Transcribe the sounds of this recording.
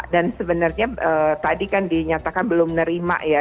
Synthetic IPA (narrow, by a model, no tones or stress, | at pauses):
dansəbənərɲaət̪adikandiɲat̪akanbəlʊmnəɾima̰ʔja